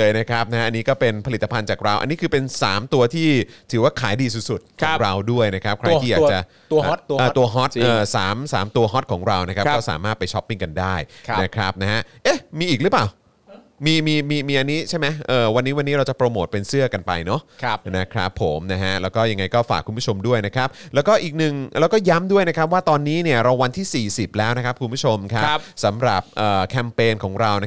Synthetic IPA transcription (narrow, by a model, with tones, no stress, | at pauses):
lɤː˧jna˦˥kʰɾa˦˥p̚na˦˥ɦa˦˥ʔa˧niː˦˥kɔː˥˩pe˧npʰa˧li˨˩t̪ːa˧pʰa˧nt͡ɕaː˨˩k̚ɾa˧wʔa̰˧nːiː˦˥kʰɯː˧pe˧nsaː˩˦mt̪u˧ɐt̪ʰiː˥˩t̪ʰɯː˩˦waː˥˩kʰaː˩˦jdiː˧su˨˩t̪̚su˨˩t̪̚kʰɔː˨˦ɾa˧wdu˥˩əjna˦˥kʰa˦˥p̚kʰɾa˧jiː˥jaː˨k̚t͡ɕa˨˩˧ | ʔaː˨˩t̪u˧ɐɦɔ˦˥t̪ʔɤː˧˨˩saː˩˦msaː˩˦mt̪u˧ɐɦɔ˦˥t̪̚kʰɔː˩˦ŋɾa˧wna˦˥kʰa˦˥kkkɔː˥˩sa̰ː˩˦maː˥˩t̪̚pa˧jt͡ɕʰɔ˦˥pːi˥˩ŋka˧ndaː˥˩jʰna˦˥kʰɾa˦˥p̚na˦˥ɦa˦˥ʔʔe˦˥˩miː˧ʔiː˨˩k̚ɾɯ˦˥paː˨˩w | miː˧miː˧miː˧miː˧ʔa˧nːiː˦˥t͡ɕʰa˥˩jma˦˥jʔɤː˨˩wa˧nːiː˦˥wa˧nːiː˦˥ɾa˧wt͡ɕa˨˩pɾoː˧moː˨˩t̪̚pe˧nsɯ˥˩ɐka˧npa̰˧jnɔ˦˥˦na˦˥kʰɾa̰˦˥pʰːo˩˦mna˦˥ɦa˦˥ʔlɛː˦˥wkɔː˥˩ja˧ŋa˧jkɔː˥˩fa̰ː˨˩kʰu˧nbʰu˥˩t͡ɕʰo˧mdu˥˩əjna˦˥kʰɾa˦˥p̚lɛː˦˥wkɔː˥˩ʔiː˨˩k̚nɯ˨˩ŋlʔɛː˦˥wkɔː˥˩ja˦˥mdu˥˩əjna˦˥kʰɾa˦˥p̬̚waː˥˩t̪ɔː˧nːiː˦˥ni˥˩ɐɾa˧wa˧nt̪ʰiː˥˩siː˨˩si˨˩p̚lɛː˦˥wna˦˥kʰa˦˥p̚kʰu˧nbʰu˥t͡ɕʰo˧mkʰa˦˥˦sa˩˦mɾa˨˩p̚ʔɤː˨˩kʰɛ˧mpeː˧nkʰɔː˩˦ŋɾa˧wna˦˥